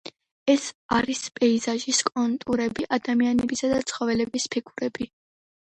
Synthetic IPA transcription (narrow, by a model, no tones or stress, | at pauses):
ɛsaɾispʼɛizaʒiskʼɔnt̪ʼuɾɛbiʔad̪amianɛbisad̪at̪sʰχɔvɛlɛbispʰiɡuɾɛbi